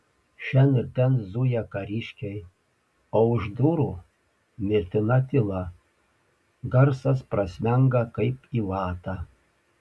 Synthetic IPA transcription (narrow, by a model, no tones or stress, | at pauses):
ʃʲɛnɪɾʲt̪ʲɛnzujɛkɐɾʲiʃʲkʲɛɪ | oːʊʒd̪uːɾuː | mʲɪɾʲt̪ʲɪnɐt̪ʲɪlˠɐ | ɡɐɾsɐspɾɐsʲmʲɛŋɡɐkɐɪpiːʋɑːt̪ɑ